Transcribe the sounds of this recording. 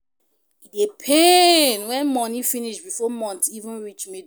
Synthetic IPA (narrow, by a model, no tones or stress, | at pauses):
idepʰenwɛ̃nmɔnifĩniʃbifɔmɔ̃ntivə̃nɹit͡ʃmed